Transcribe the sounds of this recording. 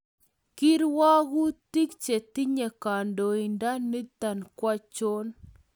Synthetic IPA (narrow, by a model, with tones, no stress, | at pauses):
ki˦ɾwa˦ɣu˦t̪i˦kt͡ʃe˨t̪i˦ɲe˨ka˨ndo˨i˨nda˦ni˦t̪a˨nkwa˦t͡ʃo˦n